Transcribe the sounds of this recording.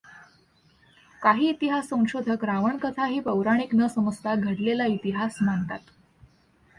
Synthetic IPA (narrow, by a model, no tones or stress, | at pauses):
kaɦiːt̪iɦasːə̃w̃ɕod̪ʱəkɾaʋəɳkət̪ʰaɦiːpəwɾaɽ̃iknəsəməst̪ʰaɡʱəɽlelait̪iɦasmant̪at̪